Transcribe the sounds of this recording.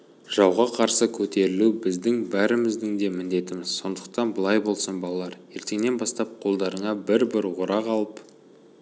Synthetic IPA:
ʒ̥ɑwʁɑqʰɑɾsəkʲʰɵt̪e̞ɾɪlubɪzd̪ɪŋbæɾɪmɪzd̪ɪŋd̪e̞mɪnd̪e̞t̪ɪmɪz̥so̞nd̪əq̚t̪ɑnbəlˠɑjbo̞lˠsənbɑlˠɑlˠɑɾje̞ɾt̪e̞ŋne̞nbɑst̪ɑp̚qʰo̞lˠd̪ɑɾəɴɑbɪɾbɪɾwoɾɑqɑlˠəp

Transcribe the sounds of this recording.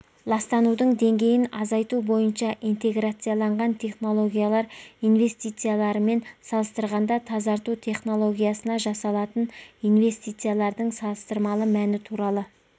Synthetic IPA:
lˠɑst̪ɑnud̪əɴd̪e̞ŋɡʲe̞jɪnɑzɑjt̪ubo̞jənʃɑʔijnt̪e̞ɡɾat̪sɨjalˠɑɴʁɑnt̪ʰe̞χno̞lˠo̞ɡʲijalˠɑɾijnve̞st̪ijt̪sɨjalˠɑɾəme̞nsɑlˠəst̪əɾʁɑnd̪ɑt̪ʰɑzɑɾt̪ut̪ʰe̞χno̞lˠo̞ɡʲijasənɑʒɑsɑlˠɑt̪ənijnve̞st̪ijt̪sɨjalˠɑɾd̪əɴsɑlˠəst̪əɾmɑlˠəmænɪt̪ʰuɾɑlˠə

